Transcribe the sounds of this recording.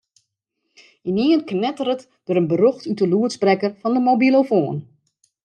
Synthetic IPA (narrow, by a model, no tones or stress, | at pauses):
iniənknɛtərət | d̥oɾənbəroxtytəluətsbrɛkərfɔndəmobilˠofoːən